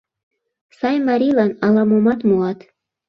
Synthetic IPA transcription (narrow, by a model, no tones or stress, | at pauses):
sɑjmɑɾʲilɑnɑlɑmomɑt̪muɑt̪